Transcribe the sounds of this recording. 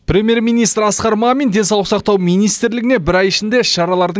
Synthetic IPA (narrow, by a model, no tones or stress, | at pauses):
prʲe̞mʲje̞ɾmijnijst̪ɾɑsqɑɾmɑmind̪e̞nsɑlˠəʁsɑq̚t̪ɑwmijnijst̪ɾlɪɡɪnebɪɾæjɪʃɪnd̪e̞ʃɑɾɑlˠɑɾd̪ə